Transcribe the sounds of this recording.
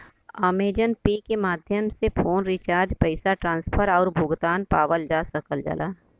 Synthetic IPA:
aːmeːd͡ʒənpeːkemaːd̪ʱjəmsepʰoːnɾɪt͡ʃaːɾd͡ʒpəɪsaʈɾãːnspʰəɾɔːɾbʱʊɡt̪aːnpaːʋəld͡ʒaːsəkəld͡ʒə̰lʔaː

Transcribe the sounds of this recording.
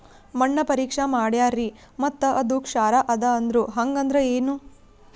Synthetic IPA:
mɐɳːɐpɐɾiːkʂɐmaːɽjaːɾi | mɐt̪ːɐʔɐd̪ukʂaːɾaʔɐd̪ɐɐnd̪ɾuɦɐŋɡɐnd̪ɾɐeːnu

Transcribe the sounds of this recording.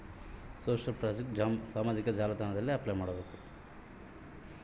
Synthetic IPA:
soːʃɐlpɾaːd͡ʒek̚ʈːsaːmaːd͡ʒikɐd͡ʒaːlɐd̪ʱaːnɐd̪ɐlːiɐplɐjmaːɽɐbe̞ːku

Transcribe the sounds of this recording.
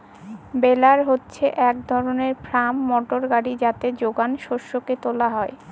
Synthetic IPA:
belaɾɦotːɕʰeʔɛk̚d̪ʱɔɾoneɾpʰɾamːɔʈoɾɡaɽid͡ʑat̪ed͡ʑoɡanʃoʃːoket̪olaɦɔe

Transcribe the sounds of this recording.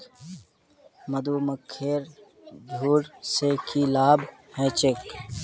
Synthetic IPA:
məd̪uːməkʰːeːɾ | d͡ʒʱuːɾsekilaːbhɛ̃ːt͡ʃɪk

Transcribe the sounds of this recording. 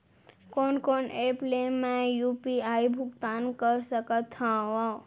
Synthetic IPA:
konkoneplemːẽjupiaibʱuɡt̪ankəɾsəkət̪ʰːãʋa

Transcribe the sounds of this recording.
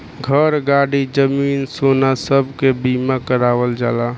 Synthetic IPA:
ɡʱəɾɡaɽid͡ʒəminsonasəb̚ʱkebimakəɾaːwəld͡ʒala

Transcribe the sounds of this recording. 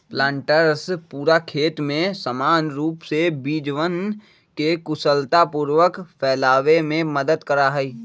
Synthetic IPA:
plãːɳʈəɾspuːɾakʰeːt̪mẽsəmaːnɾuːpsebiːd͡ʒʋən | kekʊsəlt̪apuːɾʋəkpʰɛːlaːʋemẽməd̪əd̪kəɾaɦɛiː

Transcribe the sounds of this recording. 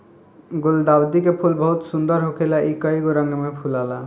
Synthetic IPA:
ɡuld̪abd̪ikepʰulbɔɦut̪sund̪ɔɾɦokʰelaʔikʌiɡoɾʌŋɡemepʰulala

